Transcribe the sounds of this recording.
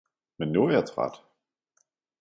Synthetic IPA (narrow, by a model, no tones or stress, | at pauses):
mɛnːuɐɛːɐtʰʁ̥a̰ːt